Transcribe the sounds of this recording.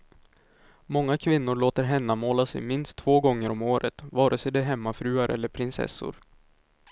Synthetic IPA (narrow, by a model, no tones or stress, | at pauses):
mɔŋːakʰvɪnːʊɾɭoːt̪əɾɦɛnːamoːlasɛ̰jmɪnst̪ʰːvoːɡɔŋːəɾɔmoːɾət̪vɑːɾʔəsɛd̪ɛɦɛmːafɾʉ̟ːaɾʔɛ̰lːəɾpʰɾɪnsɛ̰sːʊ̰ɾ